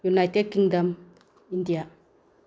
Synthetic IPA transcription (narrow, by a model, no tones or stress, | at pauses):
junajted̚kiŋdam | indija